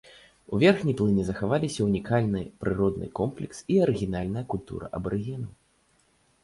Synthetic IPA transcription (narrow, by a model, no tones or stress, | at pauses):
uvʲɛrxnʲiplˠɨnʲɨzɐxavalʲisʲɐunʲikʰalʲnɨ̰pɾɨɾɔd̪nɨ̰kɔmplʲɛksiɐɾɨɣʲin̪alʲnɐjɐkulʲt̪ṵɾɐ̰ʔɐ̰bɐɾɨɣʲinɐw